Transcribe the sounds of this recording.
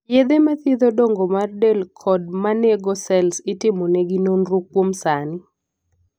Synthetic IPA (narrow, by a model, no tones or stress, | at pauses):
jed̪emat̪ɪd̪odoŋɡomardelkʰɔd̚maneɡosɛlsɪtɪmonɛɡinonɾukːwomsanɪ